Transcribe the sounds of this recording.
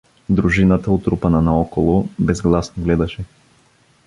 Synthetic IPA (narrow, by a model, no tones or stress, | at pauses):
d̪ɾuʒinət̪əot̪ɾupɐnɐnɐɔkolˠobɛzɡlˠasnoɡlɛd̪ɐʃɛ